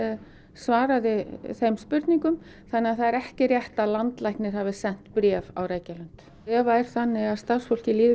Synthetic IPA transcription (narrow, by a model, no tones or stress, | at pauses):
ɛ | svaːɾaðɪθejmspʏɾt̪niŋkʏm | θanːɪaðθaðɛɾɛhcɪrjɛht̪aðlant̪lajhknɪɾ̥haːvɪsɛn̥t̪pɾjɛːva̰wreːjcalan̥t̪ | ɛːvaɛɾ̥θanːɪɣaðst̪asfowl̥cɪliːð